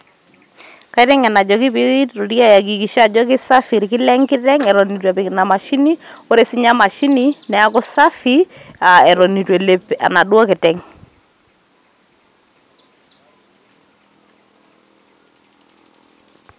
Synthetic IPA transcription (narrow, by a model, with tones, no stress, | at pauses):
ka˦tɛ˦ŋa˨na˨d͡ʒɔ˨kɪ˦pɪ˦ɣi˦tɾo˨ɾja˦ja˨ɡ̬i˨ki˨ʃa˨d͡ʒɔ˦k̬ɪ˦sa˦fi˨ɾkɪ˦lɛ˦ŋkɪ˦ɾɛ˦ŋɛ˨ɾɔ˨ni˨t̬wa˨pɪ˨kɪna˨ma˨ʃi˦ni˦o˦ɾe˦sɪ˦ɲa˦ma˨ʃi˦ni˦nɛ˨a˦kɔ˦sa˦fi˦a˨ɛ˨ɾɔ˨ni˨twɛ˨le˦pa̰˨na˨dwɔ˦kɛ˨tɛ˦ŋ